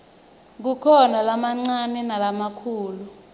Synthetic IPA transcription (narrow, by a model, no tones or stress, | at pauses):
k̬ukʰɔnalamaŋ͡ǀanɛnalamakʰuːlu